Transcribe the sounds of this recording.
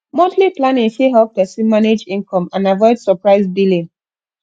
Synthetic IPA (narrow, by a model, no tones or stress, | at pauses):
mõtliplanĩnfeɦɛlp̚dɛsimaned͡ʒĩnkʰɔ̃mãnavɔɪdsɔpɹaɪzbilĩn